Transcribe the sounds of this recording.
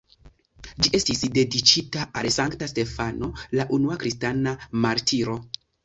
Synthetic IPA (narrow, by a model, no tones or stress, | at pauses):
d͡ʒie̞stisde̞dit͡ʃitaʔalsaŋktaste̞fano̞laʔunuakɾistanamaɾtʰiɾo̞